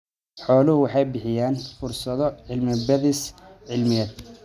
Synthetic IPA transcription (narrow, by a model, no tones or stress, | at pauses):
ħɔːlʊhʊwɑħɑjbɪħɪjaːnfʊrsɐðɔʕɪlmɪbɐðisʕɪlmɪɛːd̪̚